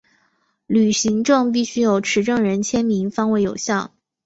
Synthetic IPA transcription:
ly˨˩ɕi˧˥ŋʈ͡ʂɤ˥˧ŋp̬i˥˩ɕy˥jo˨˩ʊʈ͡ʂʰɻ̩˧˥ʈ͡ʂɤ˥˩ŋɻə˧˥nt͡ɕʰjɛ˥nmi˧˥ŋfɑ˥ŋwe˥˩ɪjo˨˩ʊɕjɑ˥˩ŋ

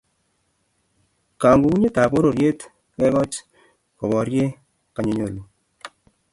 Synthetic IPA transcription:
ka˨ŋɡu˦ku˦ɲe˦ta˨bo˦ɾo˨ɾje˦t | kɛ˦kɔ˦t͡ʃ | kɔ˨bɔ˨ɾje˦ | ka˨ɲo˨ɲo˨lu˨

